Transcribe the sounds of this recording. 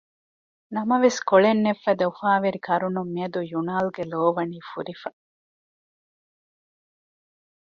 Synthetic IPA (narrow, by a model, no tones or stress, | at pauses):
nɐmɐʋeskoɭenːefːɐd̪ɐufaːʋeɾikʰɐɾunumːiɐd̪ujunaːlɡeloːʋɐniːfuɾifɐ